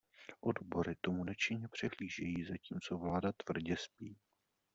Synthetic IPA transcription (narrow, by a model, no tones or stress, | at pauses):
ʔodbo̞ɾɪt̪omunɛt͡ʃɪɲɛpr̥ɛɦliːʒɛjiːzaciːmt͡so̞vlaːdat̪vr̩ɟɛspiː